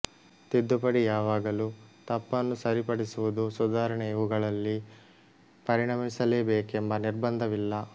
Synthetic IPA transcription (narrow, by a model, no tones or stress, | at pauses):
t̪id̪ːupɐɽijaːʋaːɡɐluːt̪ɐpːɐnːusɐɾipɐɽisuʋud̪usud̪aːɾɐɳɛʋuɡɐɭɐlːi | pɐɾiɳɐmisɐleːbeːkembɐniɾbɐnd̪ʱɐʋilːɐ